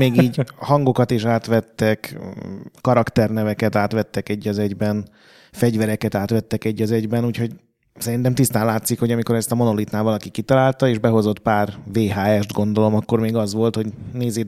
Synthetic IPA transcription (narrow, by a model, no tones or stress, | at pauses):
meːɡiːɟhɒŋɡo̞kɒt̪iʃaːt̪ʋɛt̪ːɛk | kɒɾɒkt̪ɛrnɛvɛkɛt̪aːt̪ʋɛt̪ːɛkɛɟːɒzɛɟbɛn | fɛɟvɛɾɛkɛt̪aːt̪ʋɛt̪ːɛkɛɟːɒzɛɟbɛnuːcho̞ɟ | sɛɾint̪ɛmt̪ist̪aːnlaːt̪sikho̞ɟɒmiko̞ɾɛst̪ɒmo̞no̞lit̪naːvɒlɒkikit̪ɒlaːlt̪ɒeːʒbɛɦo̞zo̞t̪paːrveːɦaːɛʃd̪ɡo̞nd̪o̞lo̞mɒkːo̞rmeːɡɒzʋo̞lt̪ho̞ɟneːzeː